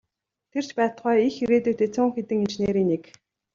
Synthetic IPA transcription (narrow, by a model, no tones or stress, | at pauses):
t̪ʰer̥t͡ɕpæːt̪χɔːixiɾeːt̪uːt̪ʰet͡sʰʊːŋxet̪ɘ̆ŋint͡ɕneːɾiːnik